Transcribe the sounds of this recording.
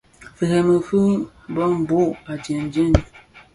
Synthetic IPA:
fe˨hɛ˨mə˨fu˦m˦bɔ˦m˨bo˦˨a˨d͡ʒe˨n˨˦d͡ʒe˦n˨

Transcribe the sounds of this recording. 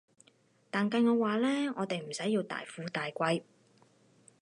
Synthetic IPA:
t̪aː˨˩nkɐ˧jŋɔː˨˧waː˨lɛː˥ŋɔː˨˧t̪e˨jm̩˨˩sɐ˨˥jːiː˧wt̪a̰ː˨jfuː˨˧t̪aː˨jkʷɐ˧j

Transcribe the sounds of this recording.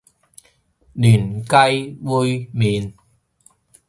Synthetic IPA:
lyː˨˩nkɐ˧jwu˧jmiː˨n

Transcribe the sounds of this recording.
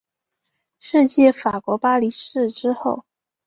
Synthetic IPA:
ʂɻ̩˥˧t͡ɕjɛ˥˩fa˨˩kwɔ˧˥pa˥li˧˥ʂɻ̩˥˧ʈ͡ʂɻ̩˥xo˥˩ʊ

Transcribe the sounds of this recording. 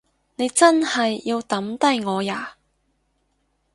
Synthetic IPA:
ne˨˧jt͡sɐ˥nhɐ˨jːiː˧wt̪ɐ˨˥mt̪ɐ˥jŋɔː˨˧jaː˨˩

